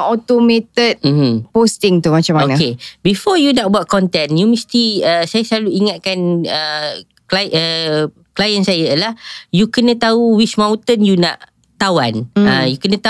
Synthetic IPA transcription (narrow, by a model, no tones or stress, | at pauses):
ɔt̪omẽt̪ət̪̚m̩h̩post̪ɪŋt̪umat͡ʃamaonakebifɔjunaʔ̚buat̪̚kɔnt̪ɛnjumist̪iəsajasəlaluiŋat̪̚kanə | klaʔə | klajənsajalahjukənə̃t̪auwit͡ʃmãw̃t̪ənjuna̰ʔ | t̪awanəjukənə̃t̪a